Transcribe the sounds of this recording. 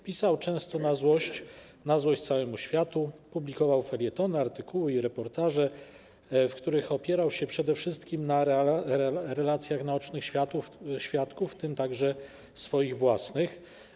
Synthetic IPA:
pʲisawt͡ʂɛ̃w̃st̪ɔnazwɔɕt͡ɕ | nazwɔɕt͡ɕt̪sawɛmuɕfʲjat̪upublʲikɔvawfɛlʲjɛt̪ɔnɛaɾt̪ɘkʰuwɘiɾɛpɔɾt̪aʐɛ | fkt̪uɾɘxɔpʲjɛɾawɕɛpʂɛd̪ɛfʂɘst̪kʲimna | ɾɛlat̪sʲjaxnaɔt͡ʂnɘxɕfʲjat̪uɕfʲjat̪kuft̪ɘmt̪aɡʐɛ | sfɔjiɣvwasnɘx

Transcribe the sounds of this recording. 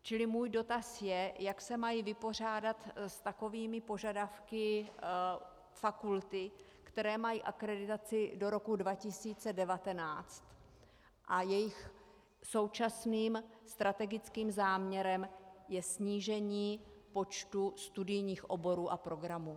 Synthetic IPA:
t͡ʃɪlɪmuːjdo̞t̪asjɛjaksɛmajivɪpo̞r̝aːdat̪st̪ako̞viːmɪpo̞ʒadafkɪ | fakult̪ɪ | kt̪ɛɾɛːmajiːʔakɾɛdɪt̪at͡sɪdo̞ɾo̞kudvacɪsiːt͡sɛdɛvat̪ɛnaːt͡st̪ | ʔajɛjɪx | so̞wt͡ʃasniːmst̪ɾat̪ɛɡɪt͡skiːmzaːmɲɛɾɛmjɛsɲiːʒɛɲiː | po̞t͡ʃt̪ust̪udɪjɲiːxʔo̞bo̞ɾuːʔapɾo̞ɡɾamuː

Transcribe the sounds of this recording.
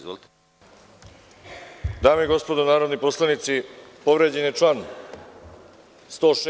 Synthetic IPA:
d̪aːmeiɡo̞spo̞d̪onaːɾo̞d̪nipo̞slˠanit̪sipo̞ʋɾed͡ʑenjet͡ʃlan | st̪o̞ːʃ

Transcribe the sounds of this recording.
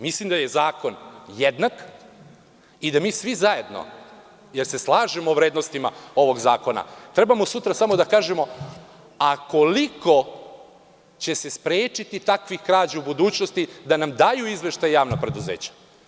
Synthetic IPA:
mislimd̪aje̞zaːko̞njed̪nak | id̪amiːsʋizaje̞d̪no̞̰ | jeɾse̞slˠaːʒemoːʋɾeːd̪nost̪ima̰o̞ʋo̞ɡzaːko̞na̰t̪ɾe̞bamo̞sut̪ɾasamod̪akaːʒemo̞ | ako̞liko̞ | t͡ɕe̞se̞spɾeːt͡ʃit̪it̪akʋixkɾaːd͡ʑaubud̪uːt͡ɕno̞st̪id̪anamd̪ajuizʋe̞ʃt̪ajjaːʋnapɾe̞d̪uzḛːt͡ɕḁ

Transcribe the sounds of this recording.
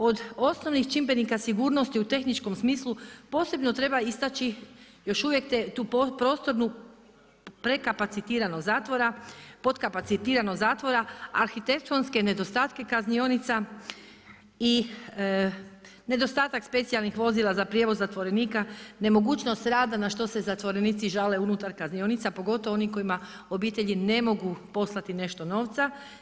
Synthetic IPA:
o̞d̪o̞sno̞ʋnixt͡ʃimbenikasiɡuːɾno̞st̪iut̪e̞xnit͡ʃko̞msmiːslˠupo̞se̞bno̞t̪ɾe̞baist̪at͡ʃi | jo̞ʃuʋje̞kt̪et̪uːpopɾo̞ːst̪o̞ɾnu | pɾe̞kapat̪sit̪iːɾanozaːt̪ʋo̞ɾapo̞t̪kapat̪sit̪iːɾanozaːt̪ʋo̞ɾaaɾxit̪e̞k̚t̪onske̞ne̞d̪o̞st̪aːt̪ke̞kaznionit̪sa | i | ne̞d̪o̞st̪aːt̪akspe̞t̪sialˠnixʋo̞zilˠazapɾjeʋo̞zːat̪ʋo̞ɾe̞niːkane̞mo̞ɡuːt͡ʃno̞st̪ɾaːd̪anaʃt̪o̞se̞zat̪ʋo̞ɾe̞niːt̪siʒale̞unut̪aɾkaznio̞nit̪sapo̞ɡo̞t̪oʋo̞niko̞ima | o̞biːt̪e̞ʎine̞mo̞ɡupo̞slˠat̪ine̞ʃt̪o̞no̞ːʋt̪sa

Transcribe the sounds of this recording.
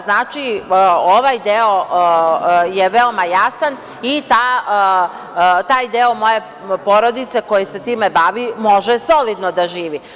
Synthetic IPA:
znaːt͡ʃioʋajd̪eo̞ | jeʋe̞omajasan | it̪a | t̪aːjd̪eomo̞je̞ | po̞ɾo̞d̪it̪se̞ko̞jise̞t̪iːme̞baːʋimo̞ʒeso̞lid̪nod̪aʒiːʋi

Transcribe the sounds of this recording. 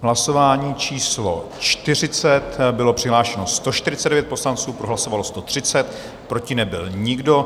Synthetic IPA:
ɦlaso̞vaːɲiːt͡ʃiːslo̞̰ | t͡ʃt̪ɪr̝ɪt͡sɛt̪bɪlo̞pr̥ɪɦlaːʃɛno̞st̪o̞ʃt̪ɪɾɪt͡sɛdɛvjɛt̪po̞slant͡suːpɾoɦlaso̞valo̞st̪o̞t̪r̝̥ɪt͡sɛt̪ | pɾo̞cɪnɛbɪlɲɪɡdo̞

